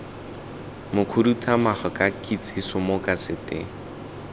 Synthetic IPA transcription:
mʊkʰʊdutʰʼamaχɔkʼakʼit͡sʰʼisʊmokʼasɪtʼɪ

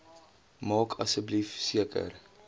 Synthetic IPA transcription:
mɑːkʰɐsəblifsiəkə̰r

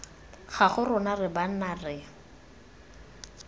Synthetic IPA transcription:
χaχʊrʊnarɪban̩narɪ

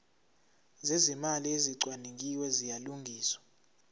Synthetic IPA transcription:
zezimalieziǀwanik̬ʼiwɛzijaluŋɡʱiːswḁ

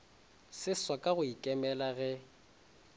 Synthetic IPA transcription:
sɪswakʼaɣʊikʼɛmɛlaɣɛ

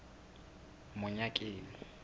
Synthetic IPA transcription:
mʊɲakʼeːnɪ

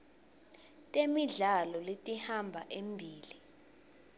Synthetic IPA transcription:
tʼemiɮalɔletʼihambʱaʔembʱiːli

